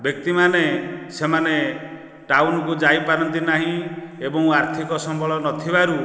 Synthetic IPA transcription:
bjɔk̚t̪imanesemane | ʈawnɔkud͡ʒajpaɾɔnt̪inaɦĩebɔŋaɾt̪ʰikɔsɔmbʱɔɭɔnɔt̪ʰibaɾu

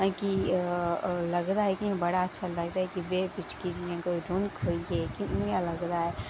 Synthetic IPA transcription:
ki | lɐɡd̪aɦɛkiɛ̃bɐɽaɐtːʃʰalɐɡd̪aɦɛkibepɪt͡ʃkid͡ʒiãkoiɖoːnkoiɦɛkinkalɐɡd̪aɦɛː

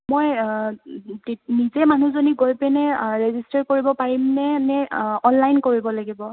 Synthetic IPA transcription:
moj | tnizɛmanuzoniɡojpɛnɛɹezistaɹkoɹibɔpaɹimnɛnɛɔnlajnkoɹibɔlaɡibɔ

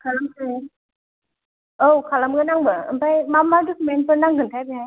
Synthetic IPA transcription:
kʰalamkʰaj | owkʰalamɡɯnaŋbɯɯ̰mpajmamːaɾdɯkʰumenpɯɾnaŋɡɯntʰajbiɦaj

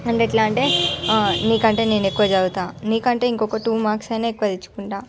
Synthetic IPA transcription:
ɐɳʈeʈlaːɳʈe̞ː | niːkɐɳʈe̞ːne̞ːne̞kːuʋɐd͡ʒɐɡut̪aːniːkɐɳʈe̞ːiŋkɔkɐʈuːmaːksɐjneːkːuʋɐd̪it͡ʃːu̥kuɳʈaː

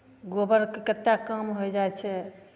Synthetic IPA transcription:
ɡobəɾkekət̪ːjakəmɦojd͡ʒaɛt͡ʃʰɛ

